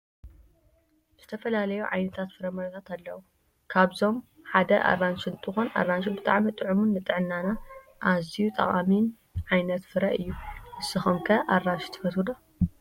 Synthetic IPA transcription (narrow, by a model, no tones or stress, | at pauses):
z̥ɨt̪ʰɐfɐlalɐjuʕajnɐt̪ʰat̪fɨɾɐmɐɾɐt̪ʰat̪alːɐwu | kʰaβzo̞m | ħad̪ɐʔa̰rːant͡ʃɨnt̪ʼɨxonʔa̰rːanʃibɨt̪ʼaʕmit̪ʼɨʕumunːɨt̪ʼɨʕɨnːana | ʔazijut̪ʼɐ̰χʼamin | ʕajnɐt̪fɨɾɐʔɨjːuʔɨsɐxomkʰɐʔarːanʃi̥t̪ʰɐ̥fɐsɨd̪o